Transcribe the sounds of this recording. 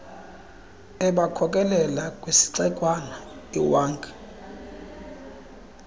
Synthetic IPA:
ɛɓakʰɔkʼɛlɛlakʼwesi̥ǀɛkʼwanaiwaːŋkʰʼɛ̥

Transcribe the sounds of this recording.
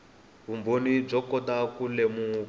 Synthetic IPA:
βumbonib͡ʐɔkɔtakulemu

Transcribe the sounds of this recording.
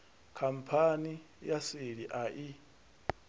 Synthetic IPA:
kʰam̩pʰani | jasiɺiʔaʔi

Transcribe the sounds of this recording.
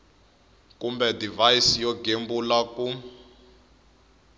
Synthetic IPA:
kumbɛdivajisijɔɡembulaku

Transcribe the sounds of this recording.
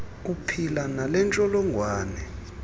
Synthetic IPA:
kupʰilanalɛnt͡ʃʼɔlɔŋʱwaːnɛ

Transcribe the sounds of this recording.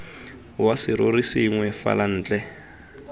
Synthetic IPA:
wasɪɾorisiŋwɛfa̰lan̩ːt͡ɬʼɛ

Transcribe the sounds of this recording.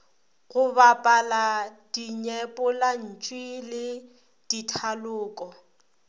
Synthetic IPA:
ɣʊbapʼalad̥iɲɛpʼɔlan̩t͡ʃʼwilɪ | d̥itʰalʊːkʼɔ

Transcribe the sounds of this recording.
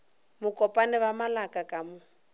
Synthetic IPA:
mʊkʼɔpʼanɪβamalakʼakʼamʊ

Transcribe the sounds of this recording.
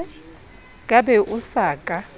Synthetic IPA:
kʼabɛʔusaːkʼa

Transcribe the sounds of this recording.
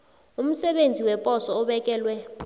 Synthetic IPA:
um̩sɛɓend͡zʱiwɛpʼɔsɔɔɓɛkʼɛːlwɛ

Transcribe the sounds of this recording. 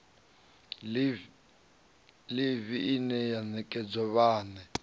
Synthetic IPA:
liβiinɛjanɛkʼɛd͡zɔβaːnɛ

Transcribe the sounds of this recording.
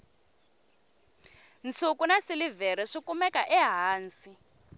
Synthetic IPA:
nt͡sʰukunasilivɛɾɛʂikumɛkaʔɛɦaːnsi

